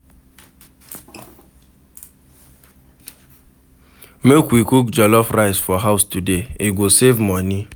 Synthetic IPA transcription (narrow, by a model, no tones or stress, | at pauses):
mekwikukd͡ʒɔlɔfɾaɪsfɔɦaʊstudeiɡisevmɔni